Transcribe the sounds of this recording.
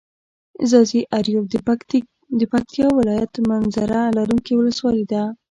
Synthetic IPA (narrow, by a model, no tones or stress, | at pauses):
zɑziʔaɾjob̪̚ | d̪əpak̚t̪ijɑwɪlɑjat̪manzaɾalaɾuŋkiwʊləswɑlid̪a